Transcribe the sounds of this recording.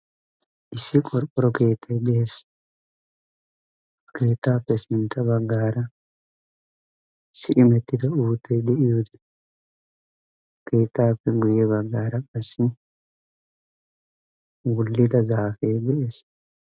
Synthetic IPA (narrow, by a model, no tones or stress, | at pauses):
ʔɪsːɪkʼɔɾkʼːɔɾɔke̞ːt̪ʰːɐjd̪ɛes | ke̞ːt̪ːaːpːɛsɪnt̪ʰːɐbɐɡːaːɾɐ | sɪʔɪmɛt̪ːɪd̪ɐuːt̪ʰːɛjd̪ɛʔɪjoːd̪ɛ | kʰe̞ːt̪ːaːpːɛɡʊjɛβɐɡːaːɾɐkʼɐsːɪ | wʊlːɪd̪ɐzaːfejd̪ɛʔeːs